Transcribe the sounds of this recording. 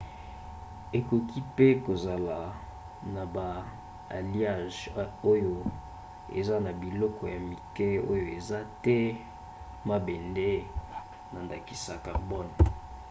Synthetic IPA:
e˨ko˨ki˦pe˦ko˨za˨la˨ | na˨ba̰ː˨ | li˦a˦˨ʒo˦jo˦ | ḛ˨za˦na˨bi˨lɔ˦kɔ˨ja˨mi˨kɛ˦o˦jo˨e˨za˦tɛ˦ | ma˦be˨nde˦ | na˨nda˨ki̥˨sa˨ka˨bɔ˦n˨

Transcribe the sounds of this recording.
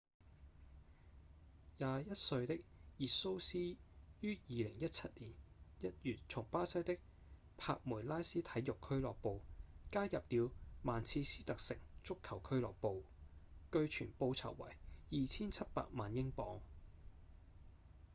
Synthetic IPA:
jaː˨˧jɐ˥t̚sɵ˧ɥt̪ɪ˥k̚jiː˨so˥wsiː˥jyː˥jiː˨lɪ˨˩ŋjɐ˥t̚t͡sʰɐ˥t̚liː˨˩njɐ˥t̚jyː˨t̚t͡sʰʊ˨˩ŋpaː˥sɐ˥jt̪ɪ˥k̚ | pʰa̰ː˧k̚muː˨˩jlaː˥jsiː˥t̪ʰɐ˨˥jʊ˨kʰːɵ˥ɥlɔː˨k̚po˨˧wkaː˥jɐ˨p̚liː˨˧wmaː˨nt͡sʰiː˧siː˥t̪ɐ˨k̚sɪ˨˩ŋt͡sʊ˥kʰːɐ˨˩wkʰɵ˥ɥlɔ̰ː˨k̚po˨˧w | kɵ˧ɥt͡ʃʰyː˨˩npo˧wt͡sʰɐ̰˨˩wwɐ̰˨˩jjiː˨t͡sʰiː˥nt͡sʰɐ˥t̚pa̰ː˧k̚maː˨njɪ˥ŋpɔː˨˥ŋ

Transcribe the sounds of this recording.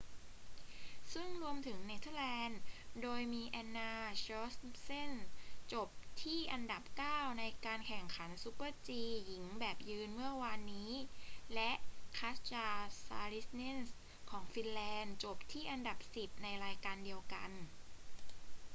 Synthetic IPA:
sɯ˥˩ŋɾu˧əmt̪ʰɯ˩˦ŋni˦˥t̪ʰa˥˩lɛː˧ndoː˧jmiː˧ʔɛ˧nːaː˧t͡ɕɔ˦˥sse˥˩nt͡ɕo˨˩p̚t̪ʰiː˥˩ʔa˧nda˨˩p̚kaː˥˩wna˧jkaː˧nkʰɛ˨˩ŋkʰa˩˦nsu˦˥pɤ˧˥˩t͡ɕiː˧ji˩˦ŋbɛː˨˩p̚jɯː˧nmɯ˥˩ɐwaː˧nːiː˦˥lɛ˦˥ʔkʰa˦˥st͡ɕaː˧saː˧ɾi˦˥sne˥˩ns | kʰɔː˩˦ŋfi˧nlɛː˧nt͡ɕo˨˩p̚t̪ʰiː˥˩ʔa˧nda˨˩p̚si˨˩p̚na˧jɾaː˧jkaː˧ndi˧əwka̰˧n

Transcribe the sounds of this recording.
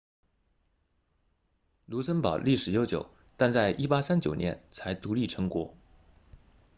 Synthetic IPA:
lu˧˥sə˥npɑ˨˩˦ʊli˥˩ʂɻ̩˨˩jo˧˥ʊt͡ɕjo̰˨˩˦ʊ | t̪a˥˧nt͡sa˥˩ɪʔi˥˩pa˥sa˥nt͡ɕjo˨˩ʊnjɛ̰˧˥nt͡sʰa˧˥ɪt̪u˧˥li˥˩ʈ͡ʂʰɤ˧˥ŋkwɔ˧˥

